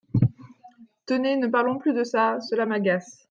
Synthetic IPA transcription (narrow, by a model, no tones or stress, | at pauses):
t̪ənenəpaʁlɔ̃plyd̪əsasəlamaɡas